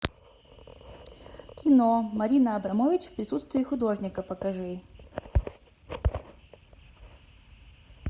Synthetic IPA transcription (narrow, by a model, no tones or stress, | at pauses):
kʲɪnomɐɾʲinəɐbɾɐmovʲɪt͡ɕfpɾʲɪsut̪st̪vʲɪːxʊd̪oʐnʲɪkəpəkɐʐɨj